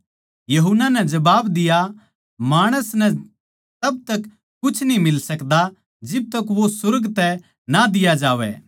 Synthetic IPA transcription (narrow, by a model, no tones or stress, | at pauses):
jɐɦʊnːanɛd͡ʒɐbaːbd̪ɪja | maːɽ̃əsnɛ | t̪ɐb̚t̪ɐkː | ʊt͡ʃʰnĩmɪlsɐkd̪a | d͡ʒɪb̚t̪ɐkʋosʊɾɡt̪ɛ | nad̪ɪjad͡ʒaːʋɛ̰